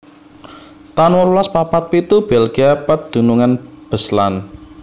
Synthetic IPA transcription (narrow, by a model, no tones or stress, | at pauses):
t̪anwɔlulaspapat̪̚pit̪ub̥elɡ̥iapət̪̚d̪̥ṳnuŋanb̥ə̤slan